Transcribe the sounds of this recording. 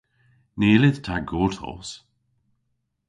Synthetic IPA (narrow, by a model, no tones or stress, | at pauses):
neːlɪð̥t̪ʰaɡoːtʰɔ̰s